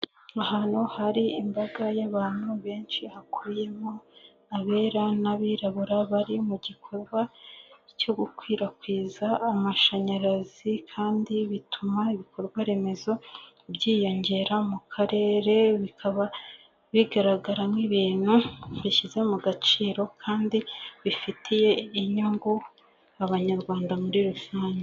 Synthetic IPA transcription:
ahanohaɾiimbaɡajaβaːn̥huβe̞ːnʃihakʰuje̞mo̞ | aβe̞ːɾanaβiɾaβuɾaβaɾimuɟikʰo̞ɾɡwaco̞ɡukwiːɾakwiːzaːmaʃaɲaɾazikʰaːndiβitʰumaiβiko̞ɾɡwaɾe̞me̞zo̞ | bɟiːjo̞ɲɟe̞ɾamukʰaɾe̞ːɾe̞βikʰaβa | βiɡaɾaɡaɾamŋiβiːn̥huβiʃize̞muɡat͡ʃiːɾo̞kʰaːndiβifitʰije̞iɲuŋɡu | aβaɲaɾɡwaːndamuɾiɾusaːɲe

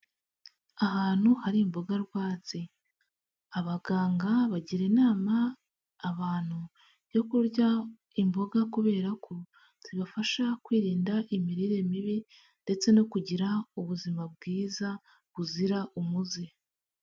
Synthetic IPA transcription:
aɦaːn̥huhaɾimboɡaɾɡwaːt͡si | aβaɡaːŋɡaβaɟiɾe̞naːmaː | βaːn̥hu | jo̞kuɾɟa | imboɡakuβe̞ːɾakʰo̞ | z̥iβafaʃakwiːɾiːndaʔimiɾiɾe̞miβi | nde̞t͡se̞no̞kuɟiɾauβuzimab̚ɡiːza | βuziɾaʔumuze

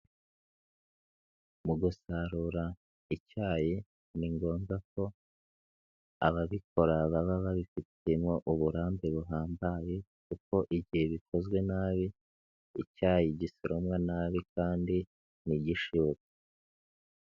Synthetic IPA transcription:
muɡusaɾuɾa | icaːje | niŋɡo̞ːŋɡak̚o̞ | a̰βaβik̚o̞ɾaβaβaβaβifitemo̞ʔuβuɾaːmbeβuɦaːmbaje̞ | kuko̞ʔiβɟihe̞βikʰo̞zɡwe̞naːβi | icaːjiɟisiɾʔomwanaːβikaːndi | niɟiʃiβokḁ

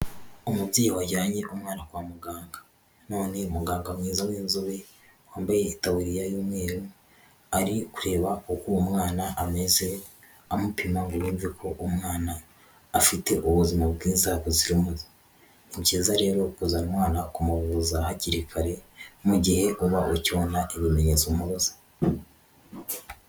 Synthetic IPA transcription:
omubɟiːjwaɟaːɲe̞ʔumŋaːnakwamuɡaːŋɡa | no̞ːne̞umuɡaːŋɡamŋiːzawiːnzoβe̞ | waːmbaje̞itawuɾijajoːmŋe̞ːɾu | aɾikuɾe̞ːβaukuːmŋaːnaʔame̞ze̞ | amupimaŋɡuɾuːɱvikʰo̞ʔumŋaːnaː | fite̞ʔuβuzimab̚ɡiːzakoziɾimuzi̥ | nicezaɾe̞ːɾo̞kuzanimwaːnakumuβuzahaciɾikʰaɾe̞muɟihe̞ʔuβaʔucβonaʔiβime̞ɲe̞t͡soumuβozḁ

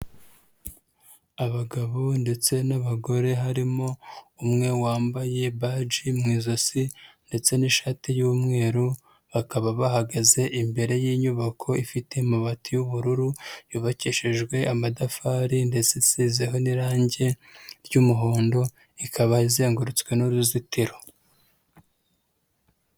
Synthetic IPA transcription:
aβaɡaβo̞nde̞t͡se̞naβaɡo̞ɾe̞ɦaɾimo̞umŋe̞waːmbaje̞βad͡ʒimŋiːzo̞sinde̞t͡se̞niʃaːtijuːmŋe̞ːɾu | βakaβaβahaɡaze̞ʔimbe̞ɾe̞jiːɲuβakʰo̞ifite̞imaβatijuβuɾuɾujuβaciʃeʒɡwe̞amadafaːɾinde̞t͡sesiːzeɦo̞niɾaːɲɟe̞ | ɾɟuːmuɦoːndo̞ | ikʰaβaizeːŋɡuɾut͡swe̞nuɾuzitʰiɾo

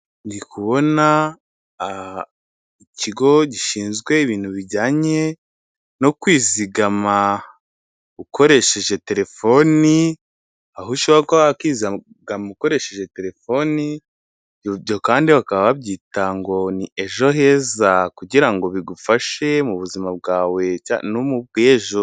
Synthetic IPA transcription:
ndikʰuβo̞na | icʰiɡo̞ɟiʃiːnzɡwe̞iβiːn̥huβiɟaːɲe̞ | no̞kwiːziɡama | uko̞ɾe̞ʃe̞ʒe̞te̞ɾe̞fo̞ni | ahuʃoβakoaakwiːzia | ɡamauko̞ɾe̞ʃe̞ʒe̞te̞ɾe̞fo̞ni | ɟo̞kaːndiβakaβaβabɟiːtaŋɡo̞nieʒo̞ɦe̞ːzakuɟiɾaŋɡo̞βiɡufaʃe̞muβuzimab̚ɡaːwe̞anumub̚ɡeːʒo̞

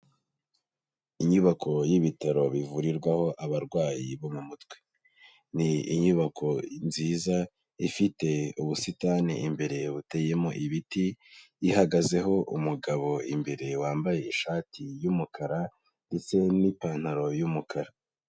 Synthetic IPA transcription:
iɲuβakʰo̞jiβitaɾo̞βivuɾiɾɡwaho̞ʔaβaɾɡwaːjiβo̞mŋumutwe | niḭɲuβakʰo̞nziːza | ifite̞uβusitaneʔimbe̞ɾe̞βute̞ːje̞moʔiβitiː | haɡaze̞ɦo̞ʔṵmuɡaβo̞ḭmbe̞ɾe̞waːmbaje̞iʃaːtʰijumukʰaɾa | nde̞t͡se̞nipaːn̥haɾo̞jumukʰaɾa

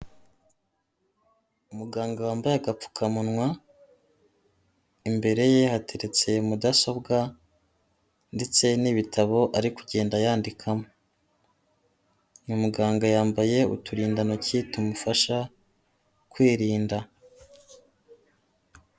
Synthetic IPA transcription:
umuɡaːŋɡawaːmbajeɡap͡fu̥kʰamunŋwa | imbe̞ɾe̞je̞hatʰe̞ɾe̞t͡se̞umudaso̞bɡa | nde̞t͡se̞niβitʰaβo̞ʔaɾikuɟe̞ːndajaːndikʰamo | umuɡaːŋɡajaːmbaje̞ṵtuɾiːndanocitumufaʃa | kwiːɾiːnda

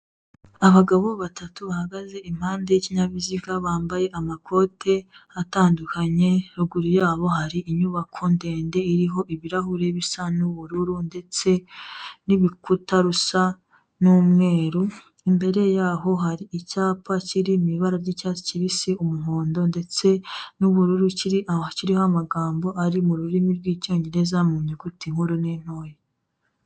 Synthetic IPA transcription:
aβaɡaβo̞βatʰatuβahaɡaze̞ʔim̥haːnde̞jiciɲaβizikaβaːmbaje̞ʔamakʰo̞ːtʰe̞ataːndukʰaɲe̞ɾuɡuɾijaːβo̞haɾiiɲuβakʰonde̞ːnde̞iɾiɦo̞ʔiβiɾahuɾe̞βisanuβuɾuɾunde̞t͡se̞niβikutaɾusa | nuːmŋe̞ːɾu | imbe̞ɾe̞jaːɦo̞ɦaɾiicaːpaciɾimiβaɾaɾɟicaːt͡si̥ciβisiumuɦoːndo̞nde̞t͡se̞nuβuɾuɾuciɾiʔaciɾihoamaɡaːmbo̞ʔaɾimuɾuɾimiɾɡwiːco̞ːɲɟe̞ɾe̞zamuːɲukutiŋ̥huɾunen̥ho̞ːje

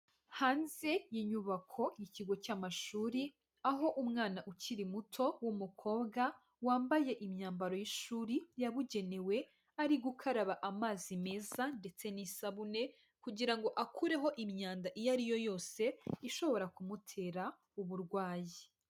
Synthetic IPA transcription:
haːnze̞jiɲuβakʰo̞jiciɡo̞caːmaʃuːɾi | aɦo̞ʔumŋaːnaʔuciɾimutʰo̞wumukʰo̞ːbɡa | waːmbaje̞ʔimɲaːmbaɾo̞jiʃuːɾijaβuɟe̞ne̞we̞ | aɾiɡukʰaɾaβaʔamaːzime̞ːzande̞t͡se̞nisaβune̞ | kuɟiɾaŋɡo̞ʔakʰuɾe̞ɦo̞ʔimɲaːndaʔijaɾijo̞jo̞ːse̞iʃo̞βo̞ɾakumutʰe̞ːɾa | uβuɾɡwaːji

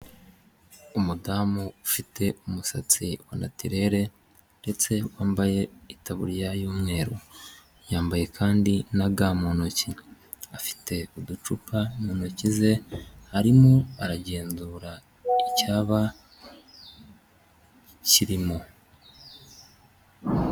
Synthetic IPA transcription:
umudaːmuufite̞umusat͡siwana̰tiɾe̞ɾe̞ | nde̞t͡se̞waːmbaje̞itʰaβṵɾjajuːmŋe̞ːɾo̰ | jaːmbaje̞kʰaːndinaɡaːmo̞no̞ci | afi̥tʰe̞udut͡ʃupamonocize̞haɾimuaɾaɟe̞ːnzuːɾa | icaːβa | ciɾimo

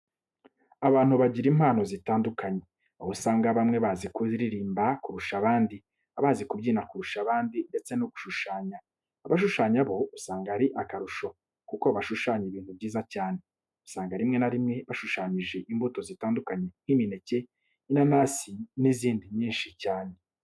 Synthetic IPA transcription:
aβaːn̥huβaɟiɾiːmhaːno̞zitaːndukaɲe̞ | osaːŋɡaβamŋe̞βazikuɾiɾiːmbakuɾuʃaβaːndi | aβaːzikubɟiːnakuɾuʃaβaːndinde̞t͡se̞noɡu̥ʃuʃaːɲaː | βaʃuʃaːɲaβo̞usaːŋɡaɾiʔakaɾuʃo̞ | kuko̞βaʃuʃaːɲiβiːn̥hubɟiːzacaːne̞ | usaːŋɡaɾimŋe̞naɾimŋe̞βaʃuʃaːɲiʒe̞ʔimbuto̞zitaːndukaɲe̞ŋ̥himine̞ce̞ | nanaːsiniziːndiɲiːnʃicaːne̞

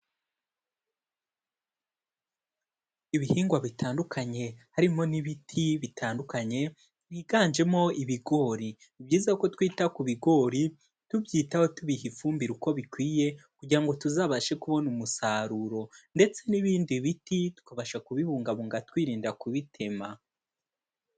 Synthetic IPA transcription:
iβihiːŋɡwaβitʰaːndukʰaɲe̞haɾimo̞niβitʰiβitʰaːndukaɲe̞ | βiɡaːnd͡ʒe̞mo̞iβiɡo̞ɾi | ibɟiːzako̞twiːtakuβiɡo̞ːɾi | tubjiːtaho̞tuβihifuːmbiɾuko̞βikwiːje̞kuɟiɾaŋɡo̞tuzaːβaʃe̞kuβo̞numusaːɾuɾo̞nde̞t͡se̞niβiːndiβititu̥kaβaʃakuβiβuːŋɡaβuːŋɡatwiːɾiːndakuβitʰe̞ma

